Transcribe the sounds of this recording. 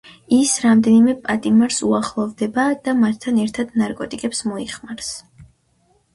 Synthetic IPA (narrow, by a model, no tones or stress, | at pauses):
isɾamd̪ɛnimɛpʼat̪ʼimaɾsuaχlˠɔvd̪ɛbad̪̥amat̪ʰːanɛɾt̪ʰad̪naɾkʼɔt̪ʼikʼɛpsmɔiχmaɾs